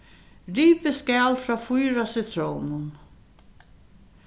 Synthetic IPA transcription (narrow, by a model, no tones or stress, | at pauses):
ɾiːpəskæːlfɾɑfujɾasɪt̪ʰɾownən